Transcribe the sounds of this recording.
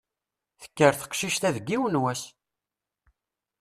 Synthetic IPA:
θə̥kːəɾθə̥qʃiʃt̪æðəɡːiwənwæs

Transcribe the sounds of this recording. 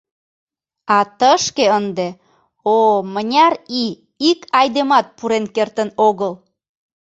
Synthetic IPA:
ɑt̪əʃkeənd̪e | omənʲɑɾi | ikʰɑjd̪emɑt̪̚puɾenkert̪ənoɣəl

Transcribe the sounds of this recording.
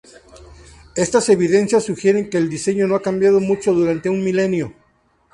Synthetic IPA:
e̞st̪ase̞βiðe̞nsjasːuxje̞ɾe̞ŋke̞ːld̪ise̞ɲo̞no̞akambjað̞o̞mut͡ʃo̞ðuɾant̪e̞unmile̞njo̞

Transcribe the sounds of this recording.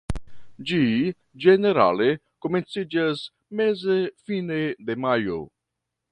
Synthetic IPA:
d͡ʒi | d͡ʒeneɾa̰le | komensid͡ʒas | mezefined̪emajo̰

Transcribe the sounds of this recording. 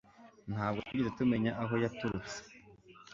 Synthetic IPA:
n̥haːb̚ɡotuɟizetume̞ɲaʔaɦo̞jatuɾut͡se̥

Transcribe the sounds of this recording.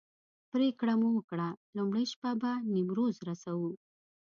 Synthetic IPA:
pɾekɽamuwəkɽalumɽajʃpabanimɾozɾasawu

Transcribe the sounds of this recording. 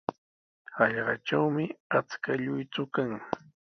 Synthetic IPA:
ɑʎɢɑʈ͡ʂawmɪat͡skaʎʊjt͡sʊkaŋ

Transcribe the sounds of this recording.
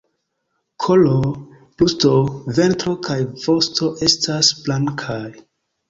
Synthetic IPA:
kʰolo | plustove̞ntɾo̞kʰajv̥o̞sto̞ʔe̞stʰasblaŋkʰaj

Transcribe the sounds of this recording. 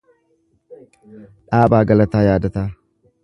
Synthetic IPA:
ᶑaːbaːɡɐlɐt̪aːjaːd̪ɐt̪aː

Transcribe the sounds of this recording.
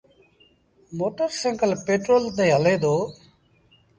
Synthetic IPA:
moːʈəɾsẽːŋkəlpeːʈɾoːlt̪eːɦəleːd̪oː

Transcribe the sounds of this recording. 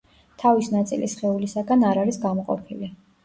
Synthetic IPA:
t̪ʰavisnat̪sʼilḭsχɛulisaɡanaɾaɾisɡamɔqʼɔ̰pʰili

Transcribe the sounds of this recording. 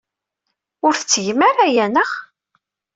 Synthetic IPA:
ʊɾθət͡sːʝməɾæjænəʁ

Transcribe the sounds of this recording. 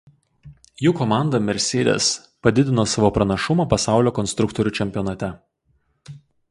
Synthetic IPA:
juːkɔmɑˑnd̪ɐmʲɛɾʲsʲeːd̪ʲḛs | pɐd̪ʲɪd̪ʲɪnoːsɑːʋoːpɾɐnɐʃʊmɐpɐsɑˑʊlʲoːkɔnsʲt̪ɾʊkt̪ɔɾʲuːˑt͡ʃʲɛmʲpʲɪɔnɐt̪ʲɛ

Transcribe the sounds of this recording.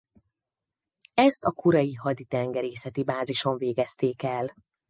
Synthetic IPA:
ɛst̪ɒkuɾɒjiɦɒd̪it̪ɛŋɡɛɾeːsɛt̪ibaːziʃo̞ɱveːɡɛst̪eːkɛl

